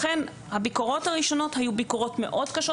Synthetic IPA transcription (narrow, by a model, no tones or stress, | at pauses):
χen | habikoʁo̞thaʁiʃo̞no̞thajubikoʁo̞tme̞̰ʔo̞dkaʃo